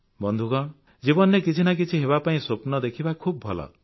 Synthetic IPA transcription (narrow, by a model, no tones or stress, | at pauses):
bɔnd̪ʱukɔ | d͡ʒibɔnekit͡ʃʰinak̬it͡ʃʰiɦeβapaĩsopnɔd̪ekʰibakʰub̚bʱɔlɔ̰